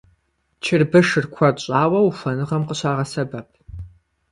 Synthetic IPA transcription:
t͡ʃʰɪrbɨʂɨrkʷʰɐɕʼaːwɐwufʷɐnɨʁɐmqəɕaːʁɐsɐbɐpʰ

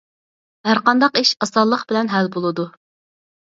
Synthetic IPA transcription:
ɦæɾqɑnd̪ɑqiʃɑsɑlˠːəqbɪlɛnɦɛlbolˠɨd̪u

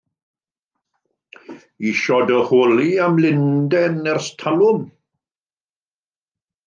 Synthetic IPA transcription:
iʃɔdəhoːliamlɪndɛnɛrstʰalʊn

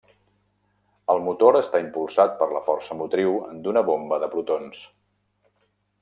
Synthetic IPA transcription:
əlˠmut̪oɾəst̪aimpulˠsat̪̚pəɾləfɔrsəmut̪ɾiwə̰nd̪unəβombəðəpɾut̪ons

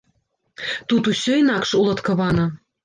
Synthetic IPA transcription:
t̪ut̪uɕø̆jnɑkʃulˠɤ̆t̪kɤ̆βɑnɤ̆

